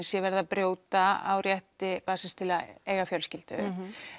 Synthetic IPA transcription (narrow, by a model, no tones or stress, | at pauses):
nsjɛvɛɾðapɾjoːwt̪aa̰wrjɛht̪ɪpaːsɪst̪ʰɪlaeːjɣafjœlscɪlt̪ʏ̰